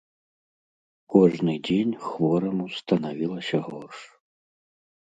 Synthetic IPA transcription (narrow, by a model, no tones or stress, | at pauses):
kɔʐnɨd͡zʲenʲxvɔɾɐmust̪ɐnavʲilˠɐsʲɐɣɔrʂ